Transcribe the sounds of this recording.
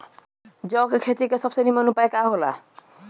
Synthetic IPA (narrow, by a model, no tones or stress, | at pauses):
d͡zʌkekʰet̪ikesʌbsʌnimanupaekaɦola̰